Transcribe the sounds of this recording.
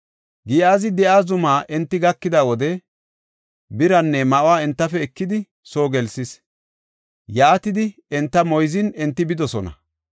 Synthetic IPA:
ɡiːaːzɪd̪ɛʔaːzʊmaːʔɛnt̪ːɪɡɐkːɪd̪awɔd̪ɛ | bɪɾɐnːɛmɐʔwaːɛnt̪ːɐfɛːkːɪd̪ɪ | so̞ːɡɛlsɪs | jɐːt̪ɪd̪ɪ | ɛnt̪ːɐmɔjzɪnɛnt̪ːɪbɪd̪ɔsɔnɐ̰

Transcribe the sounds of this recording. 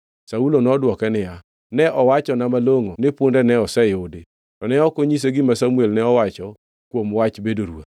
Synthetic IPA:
saulonɔdwɔkɛnɪja | nɛʔɔwat͡ʃɔnamaloŋonɪpʊndɛnɛɔsɛjode | tɔnɛɔkoɲis̬eɡɪmasamuelnɛɔwat͡ʃɔ | kwomwat͡ʃbedoɾua̰

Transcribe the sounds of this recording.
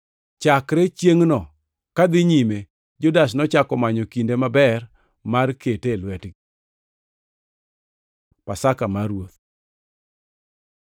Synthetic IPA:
t͡ʃakɾet͡ʃjeŋnɔ | kad̪ɪɲime | d͡ʒʊdasnɔt͡ʃakɔmaɲɔkindemabɛr | marketelwɛtɡi | pasakamaɾwot̪̚

